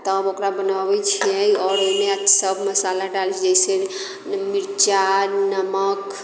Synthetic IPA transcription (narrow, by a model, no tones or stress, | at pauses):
t̪ɔbokɾabənabɛt͡ʃʰiɛɔɾoimesəbʱməsalaɖalt͡ʃd͡ʒd͡ʒajse | miɾt͡ʃanəmək